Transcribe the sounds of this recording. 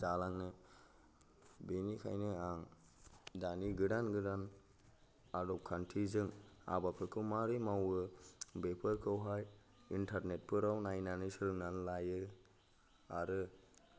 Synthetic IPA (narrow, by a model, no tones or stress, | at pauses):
zalaŋnɯ | benikʰa̰jnɯaŋ | daniɡɯdanɡɯdan | adɔp̚kʰantʰizɯŋa̰bapʰɯkʰɯmaɾimawɯbepʰɯɾkʰɯwɦaj | intʰaɾnet̚pʰɯɾawnajnanɯsɯɾɯŋnanlajɯ | aɾɯ